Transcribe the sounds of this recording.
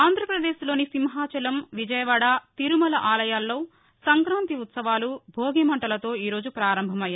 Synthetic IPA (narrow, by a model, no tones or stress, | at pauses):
aːnd̪ʱɾɐpɾɐd̪eːslo̞ːnisimɦaːt͡ʃɐlɐmʋid͡ʒɐjɐʋaːɽat̪iɾumɐlɐʔaːlɐjaːlːo̞ː | sɐŋkɾaːnt̪iut̪sɐʋaːlubʱoːɡemɐɳʈɐlɐt̪o̞ːiːɾo̞ːd͡ʒupɾaːɾɐmbʱɐmɐjːaː